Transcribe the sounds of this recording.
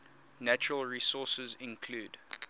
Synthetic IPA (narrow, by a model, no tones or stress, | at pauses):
næt͡ʃəɹəlˠɹisɔsəzɪ̃nkʰl̥uːd